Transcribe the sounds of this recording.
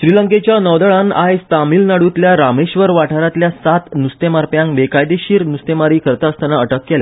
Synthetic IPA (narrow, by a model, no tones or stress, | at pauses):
ɕɾiləŋket͡ɕjanəʋd̪əɭanajst̪amiːlnaɽut̪ljaɾameɕʋəɾʋaʈʰaɾat̪ljasat̪nust̪emaɾpjãŋkʋekajd̪eɕiːɾnust̪emaɾiːkʰəɾt̪aəst̪anaəʈəkːelja̰